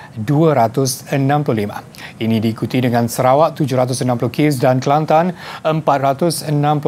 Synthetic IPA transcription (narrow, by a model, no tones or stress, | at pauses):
duəɾat̪ʊsənãmplʊlima̰ | inidiːkut̪idəŋãnsəɾawaʔt̪ːud͡ʒʊɾat̪ʊsənãmplukɪs̬danklant̪anəmpat̪̚rat̪ʊsənãmpl